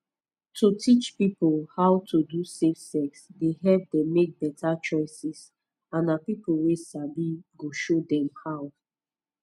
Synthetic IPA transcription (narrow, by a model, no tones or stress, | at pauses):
tʰotʰit͡ʃpipolhaʊtʰodusefsɛksdeɦɛlp̚dɛ̃mːek̚bɛtat͡ʃɔɪsis | ãnapipol̩wesabiɡoʃodɛ̃mhaʊ